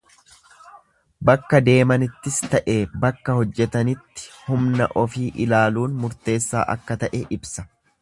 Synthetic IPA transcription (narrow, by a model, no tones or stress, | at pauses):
bɐkːɐd̪e̞ːmɐnɪt̪ːɪst̪ɐʔeːbɐkːɐhɔd͡ʒːɛt̪ɐnɪt̪ːɪ̥hʊmnɐ̰ʔɔfiːʔɪlaːluːnmʊɾt̪e̞ːsːa̰ːʔɐ̰kːɐt̪ɐʔɛʔɪbsɐ̥